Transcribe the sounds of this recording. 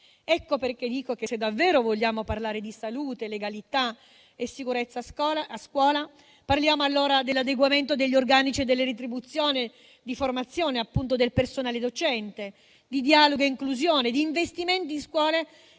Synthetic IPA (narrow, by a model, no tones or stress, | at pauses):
ɛkːoperked̪iːkok̟esed̪ːavːɛːɾovoʎːaːmoparlaːɾed̪isaluːt̪eleɡalit̪a | esikuɾet̪sːaaaskwɔːla | parljaːmoalːoːɾad̪elːad̪eɡwament̪od̪eʎːorɡaːnit͡ʃied̪elːeɾet̪̬ɾibut̪sːjoːne | d̪iformat̪sːjoːneapːunt̪od̪elpersonaːled̪ot͡ʃɛnt̪e | d̪id̪iaːloɡoeiŋkluzjoːned̪iːɱvest̪iment̪inskwɔːle